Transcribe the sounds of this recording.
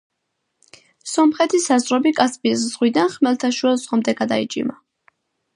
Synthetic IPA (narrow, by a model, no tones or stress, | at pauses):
sɔmχɛt̪ʰisazɾɔbikʼaspisz̥ʁwid̪anχmɛlt̪ʰaʃuɛlˠzʁɔmd̪ɛɡad̪ait͡ʃʼḭma